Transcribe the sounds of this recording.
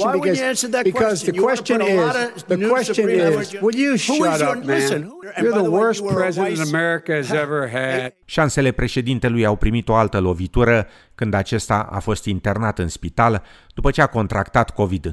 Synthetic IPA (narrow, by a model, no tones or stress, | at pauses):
zæ̃nsə˞ðɨkbɨwkɔzðɨkwɛst͡ʃɨ̃nɪz | ðɨwɛst͡ʃɨ̃nɪzzwɪjɨɾʌ̃ | jəðəwɜ˞spʰɹ̥ɛzɨɾɨ̃nəmɛɹɨkɨzɛvə˞ɨʃanse̞le̞pɾe̞ʃe̞d̪int̪e̞lujawpɾimit̪o̞alt̪əlo̞vit̪uɾə | kɨnd̪at͡ʃe̞st̪aʔa̰fo̞st̪int̪e̞rnat̪ɨnspit̪ald̪̥upət͡ʃe̞ako̞nt̪ɾakt̪at̪ko̞vid̪